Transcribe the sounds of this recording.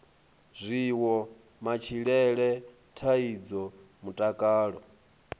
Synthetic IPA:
zʷiwɔ | mat͡ʃʰiɺɛɺɛ | tʰaid͡zɔ | mutʼakʼaːɺɔ̰

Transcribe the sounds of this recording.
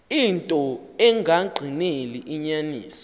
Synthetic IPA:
intʼɔ | ɛŋʱaɡ͡ǃʱineliʔiɲaniːsɔ̥

